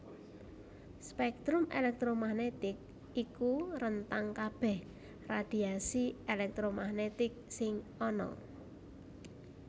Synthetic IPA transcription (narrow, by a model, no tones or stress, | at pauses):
spɛk̚t̪ɾʊmḛlɛk̚t̪ɾomahnet̪ɪk̚ | ikuɾənt̪aŋkab̥ɛh | rad̪̥iasielɛk̚t̪ɾomahnet̪ɪk̚sɪŋɔnɔ̰